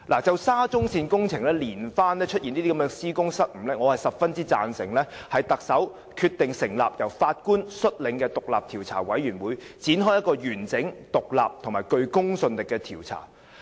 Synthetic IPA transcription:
laː˨˩t͡sɐ˨wsaː˥t͡sʊ˥ŋsiː˧nkʊ˥ŋt͡sʰɪ˨˩ŋlɛː˥liː˨˩nfaː˥nlɛː˥t͡ʃʰɵ˥t̚jiː˨niː˥d̪iː˥ɐ˨˦mɛː˧ŋsiː˥kʊ˥ŋsɐ˥t̚m̩˨˩lɛː˥ŋɔ˨˧hɐ˨jsɐ˨p̚fɐ˥nt͡siː˥t͡sa̰ː˨nsɪ̰˨˩ŋlɛː˥hɐ˨jt̪ɐ˨k̚sɐ˨˥w | kʰyː˧t̪ɪ˨ŋsɪ˨˩ŋlaː˨p̚jɐ˨˩wfaː˧t̚kuː˥nsɵ˥t̚lɪ˨˥ŋkɛː˧t̪ʊ˨k̚laː˨p̚t̪ʰiː˨˩wt͡sʰa̰ː˨˩wɐ˨˥jɥyː˨˩nwuː˨˧jt͡siː˨˥nɦɔː˥jɐ˥t̚kɔː˧jyː˨˩nt͡sɪ˨˥ŋt̪ʊ˨k̚la̰ː˨p̚t̪ʰʊ˨˩ŋmaː˨˩jkɵ˧ɥkʊ˥ŋsɵ˧nlɪ˨kːɛː˧t̪ʰiː˨˩wt͡sʰa̰ː˨˩

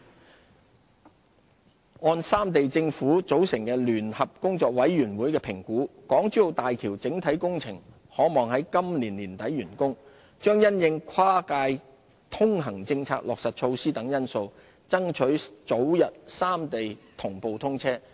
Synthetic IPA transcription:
ŋɔː˧nsaː˥mt̪e˨jt͡sɪ˧ŋfuː˨˥t͡so˨˥wsɪ˨˩ŋkɛː˧lyː˨˩nhɐ˨p̚kʊ˥ŋt͡sɔː˨k̚wɐ˨˥jːyː˨˩nwuː˨˥jkɛː˧pʰɪ˨˩ŋkuː˨˥kɔː˨˥ŋt͡ʃyː˨˥jo˨˩wt̪aː˨jkʰiː˨˩wt͡sɪ˨˥ŋt̪ʰɐ˨˥jkʊ˥ŋt͡sʰɪ˨˩ŋ | hɔː˨˥mɔː˨ŋhɐ˨˥jkɐ˥mliː˨˩nliː˨˩nt̪ɐ˨˥jːyː˨˩nkʊ˥ŋ | t͡ʃœː˥ŋjɐ˥njɪ˧ŋkʰwaː˥kaː˧j | t̪ʰʊ˥ŋɦɐ˨˩ŋt͡sɪ˧ŋt͡sʰa̰ː˧k̚lɔː˨k̚sɐ˨t̚t͡ʃʰo˧wsiː˥t̪ɐ˨˥ŋjɐ˥nso˧w | t͡sɐ˥ŋt͡ʃʰɵ˨˥ɥt͡so˨˥wjɐ˨t̚saː˥mt̪e˨jt̪ʰʊ˨˩ŋpo˨wt̪ʰʊ˥ŋt͡sʰɛː˥

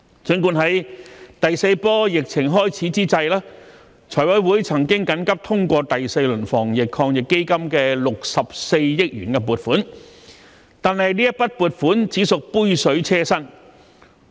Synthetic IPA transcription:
t͡sɵ˨˥ŋkuː˧nɦɐ˨˥jt̪ɐ˨jse˧jpɔː˥jɪ˨k̚t͡sʰɪ˨˩ŋɦɔː˥jt͡sʰiː˨˥t͡siː˥t͡sɐ˧jlaː˥ | t͡sʰɔː˨˩jwɐ˨˥jwuː˨˥jt͡sʰɐ˨˩ŋkɪ˥ŋkɐ˨˥nkɐ˥p̚t̪ʰʊ˥ŋkʷɔː˧t̪ɐ˨jse˧jlɵ˨˩nfɔː˨˩ŋjɪ˨kʰːɔː˧ŋjɪ˨kːe˥jkɐ˥mkɛː˧lʊ˨k̚sɐ˨p̚se˧jjɪ˥k̚jyː˨˩nkɛ˧p̬uː˨t̚fuː˨˥n | t̪aː˨nhɐ˨jliː˥jɐ˥t̚pɐ˥t̚puː˨˩t̚fuː˨˥nt͡siː˨˥sʊ˨k̚puː˥jsɵ˨˥ɥt͡sʰɛː˥sɐ˥n

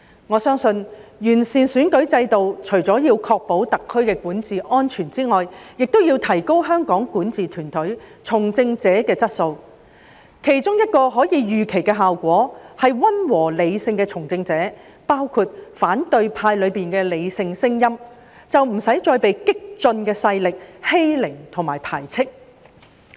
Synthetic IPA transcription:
ŋɔː˨˧sœː˥ŋsɵ˧njyː˨˩nsiː˨˩nsyː˨˥nkɵ˨˥ɥt͡sɐ˧jt̪o˨wt͡ʃʰɵ˨˩ɥt͡sɔː˨˥jiː˧wkʰɔː˧k̚po˨˥wt̪ɐ˨kʰːɵ˥ɥkɛː˧kuː˨˥nt͡siː˨ʔɔː˥nt͡ʃʰyː˨˩nt͡siː˥ŋɔː˨jjɪ˨k̚t̪o˥wjiː˧wt̪ʰɐ˨˩jko˥wɦœː˥ŋkɔː˨˥ŋkuː˨˥nt͡siː˨t̪ʰyː˨˩nt̪ʰɵ˨˥t͡sʰʊ˨˩ŋt͡sɪ˧ŋt͡sɛː˨˥kɛː˧t͡sɐ˥t̚so˧w | kʰe˨˩jt͡sʊ˥ŋjɐ˥t̚kɔː˧ɦɔː˨˥jiː˨˧jyː˨kʰe˨˩jkɛː˧ɦaː˨wkʷɔː˨˥hɐ˨jwɐ˥nwɔː˨˩le˨˧jsɪ˧ŋkɛː˧t͡sʰʊ˨˩ŋt͡sɪ˧ŋt͡sɛː˨˥ | paː˥wkʰu˧t̚faː˨˥nt̪ɵ˧ɥpʰaː˧jlɵ˨˧ɥpiː˨nkɛː˧le˨˧jsɪ˧ŋsɪ˥ŋjɐ˥m | t͡sɐ˨wm̩˨˩sɐ˨˥jt͡ʃɔː˧jpe˨jkɪ˥k̚t͡sɵ˧nkɛː˧sɐ˧jlɪ˨k̚he˥jlɪ˨˩ŋt̪ʰʊ˨˩ŋmaː˨˩jpʰaː˨˩jt͡sʰɪ˥k̚

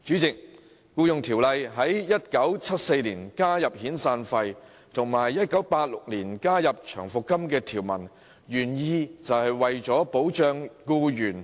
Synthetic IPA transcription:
t͡ʃyː˨˥t͡sɪ˨k̚ | kuː˧jʊ˨˧ŋt̪ʰiː˨˩wlɐ˨jɦɐ˨˥jjɐ˥t̚kɐ˨˥wt͡sʰɐ˥t̚se˧jliː˨˩nkaː˥jɐ˨p̚hiː˨˥nsaː˧nfɐ˧j | t̪ʰʊ˨˩ŋmaː˨˩jːɐ˥t̚kɐ˨˥wpaː˧t̚lʊ˨k̚nliː˨˩nkaː˥jɐ˨p̚t͡ʃʰœː˨˩ŋfʊ˨kːɐ˥mkɛː˧t̪ʰiː˨˩wmɐ̰˨˩n | jyː˨˩njiː˧t͡sɐ˨whɐ˨jwɐ˨jt͡ʃɔː˨˥po˨˥wt͡ʃœː˧ŋkuː˧jyː˨˩n

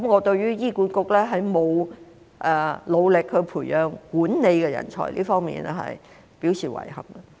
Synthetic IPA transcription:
mŋɔː˨˧t̪ɵ˧ɥɥyː˥jiː˥kuː˨˥nkʊ˧k̚lɛː˥ɦɐ˨˥jmo˨˧w | ʔɛ˨lo˨˧wlɪ˨khɵ˨˧pʰuː˨˩jœː˨˧ŋkuː˨˥nne˨˧jkɛː˧jɐ̰˨˩nt͡ʃʰɔ̰ː˨˩lʔḭː˥fɔː˥ŋmḭː˨nɛ˥ɦɐ̰˨j | pi˨˥wsiː˨˩wɐ̰˨˩jhɐ˨˩mɡɐ˧

